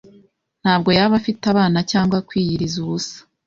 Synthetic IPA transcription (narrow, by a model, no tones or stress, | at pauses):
n̥haːbɡo̞jaβafitaβaːnacaːŋɡwakwiːjiɾizuβusḁ